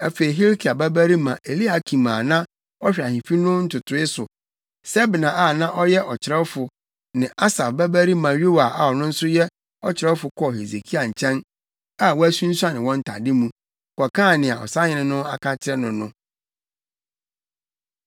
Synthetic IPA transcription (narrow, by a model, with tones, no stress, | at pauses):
æ˨fe˨i˨ɦe˦ɾkʰi˨a˨bæ˦bæ˦ɾi˦mã˨ʔe˨li˦a˨kʰi˨mãː˨nã˦ | ɔ˦ɕᶣi˨a˨hĩ˨fi˦nʊ̃˦n̩˦tʰʊ˨tʰʊ˨ɪ˦sʊ˨ | sɛ˦bɪ˨nã˨ʔa˦˨nã˦ʔɔ˦jɛ˦ʔɔ˨t͡ɕʰɪ˨ɾɛ˦fʊ˨ | nɪ̃˨ʔa˦sa˨fbæ˦bæ˦ɾi˦mã˨ɥo˦wa˨ʔa˨ɔ˨nʊ̃˦n̩˦sʊ˦jɛ˦ | ɔ˦t͡ɕʰɪ˨ɾɛ˦fʊ˨kʰɔ˦ɦe˨ze˨kʰi˦a˨ɲ̩˨t͡ɕʰɛ̃˦n | a˨wɔ˦æ˦sũ˦n̩˦su˦a˦nɪ̃˨wɔ̃˦n̩˦tʰa̰˨dɪ˦mũ˦˨ | kɔ˨kʰã˦˨nɪ̃˨a˨ɔ̰˨sa˦ɲɪ̃˨nɪ̃˦nʊ̃˦a̰˨kʰã˦t͡ɕʰɪ˦ɾɛ˦nʊ̃˨nʊ̃˦